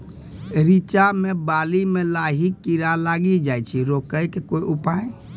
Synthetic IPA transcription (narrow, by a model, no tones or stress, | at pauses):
ɾit͡ʃamẽbaːlimẽlaːɦikːiɾalaːɡid͡ʒaːjt͡ʃʰiɾokəjkekoːiʔʊpae